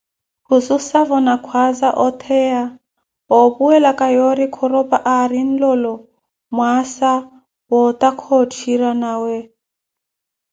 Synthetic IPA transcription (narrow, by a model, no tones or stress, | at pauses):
hususavɔnakʰwazaʔɔt̪ʰɛja | ɔpuɛlakʼajɔɾikʰɔɾɔpʼaʔaɾin̩lɔlɔ | mwasa | wɔt̪ʼakʰɔt͡ʃʰiɾanaːwɛ